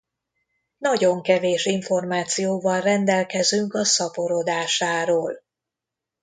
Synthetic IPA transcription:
nɒɟo̞ŋkɛveːʃiɱfo̞rmaːt̪sijoːvɒlrɛnd̪ɛlkɛzyŋkɒsɒpo̞ɾod̪aːʃaːɾoːl

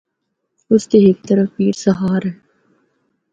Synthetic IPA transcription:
ʊskeeɪk̚t̪ɐɾəfpiːɾsɐɦaːɾɛː

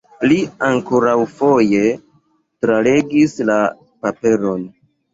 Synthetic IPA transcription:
liaŋkoɾawfo̞je̞ | tɾale̞ɡisla | pape̞ɾo̞n

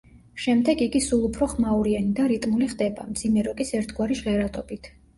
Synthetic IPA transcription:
ʃɛmd̪ɛɡiɡisulˠupʰɾɔχmauɾianid̪aɾit̪ʼmuliχd̪ɛba̰md̪z̥imɛɾɔkʼisɛɾt̪ʰɡwaɾiʃʁɛɾat̪ʼɔbit̪ʰ

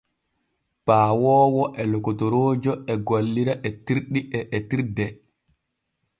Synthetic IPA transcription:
paːwɔːwɔʔɛlɔkɔtɔɾoːd͡ʒɔɛɡolːiɾaʔɛtiɾɗiʔɛʔɛtiɾdɛ

